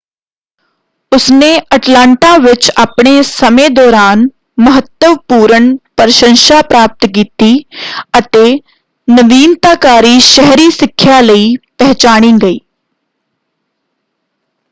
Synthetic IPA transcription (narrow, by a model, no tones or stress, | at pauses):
ʊsneːəʈlãːɳʈaːʋɪt͡ʃaːpɳ̃eːsəmẽːd̪ɔːɾaːn | məɦət̪ːəʋpuːɾəɳpəɾʃə̃nʃaːpɾaːp̚t̪k̬iːt̪iːət̪eː | nəʋiːnt̪aːkaːɾiːʃəɦɾiːsɪkʰːjaːləiːpɛɦt͡ʃaːɽ̃ĩːɡəiː